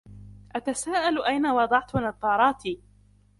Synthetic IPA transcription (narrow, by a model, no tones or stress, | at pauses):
ʔat̪asaːʔalʔajnawɑd̪ˤɑʕt̪anɑt̪ˤːɑːɾˤɑːt̪iː